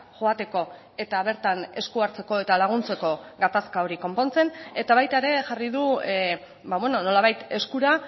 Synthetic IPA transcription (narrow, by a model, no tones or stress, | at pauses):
ʝo̞at̪e̞ko̞ | e̞t̪aβ̞e̞ɾt̪ane̞skuaɾt͡se̞ko̞e̞t̪alaɣ̞unt͡se̞ko̞ɡat̪askao̞ɾiko̞mpo̞nt͡se̞ne̞t̪aβajt̪aeɾe̞ʝariðu | baβweno̞no̞laβajt̪e̞skuɾa